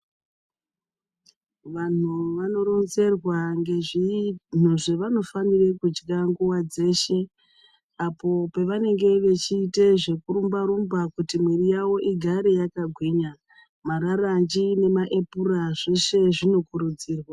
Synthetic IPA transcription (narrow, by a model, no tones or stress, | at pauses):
ʋan̤uʋano̞ro̞nze̞rwaŋɡeʐn̤uʐe̞ʋano̞fanire̞kud͡ʒɡaŋɡuwad͡ze̞ːʃe̞ | apo̞pe̞ʋane̞ŋɡe̞ʋe̞t͡ʃiːte̞ʐe̞kuɾumbaɾumbakutimwirijawo̞ʔiɡʱaɾe̞jakaɡʱwiːɲa | maɾarand͡ʒine̞maʔe̞puraʐe̞ʃe̞ʐino̞kuɾud͡ziːrwa